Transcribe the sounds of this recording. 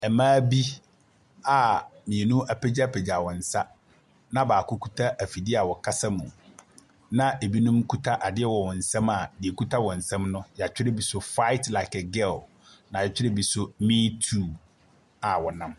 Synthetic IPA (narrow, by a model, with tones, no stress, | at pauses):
ɛ˨mãː˦bi˦ | a˨mĩ˨e˨nũ˦a˨pʰɛ˦d͡ʑa˦˨pʰɛ˨d͡ʑa˨wɔ̃˨n̩˨sa˦ | nã˦baː˨kʰʊ˦kʰu˦tʰa˦ʔæ˨fi˨dɪ˦a˨wɔ˨kʰa˦sa˦mũ˨ | nã˦e˨bi˦nũ˦mkʰu˦tʰa˦ʔa˨dɪ˦ɛ˦wɔ˨wɔ˨n̩˨sɛ̃˦ma˨dɪ˨e˨ku˦tʰa˦wɔ̃˨n̩˨sɛ̃˦mnʊ̃˦jɛ˨a˨t͡ɕᶣɪ˦ɾɪ˦bi˨sʊ˦fa˦ɪ˦tla˨ɪ˨kɛ˨ɡɛ˦˨l | nã˨ɛ˨t͡ɕᶣɪ˦ɾɪ˦bi˨sʊ˦mĩː˦tʰuː˦˨ | a˨wɔ˨nã˦m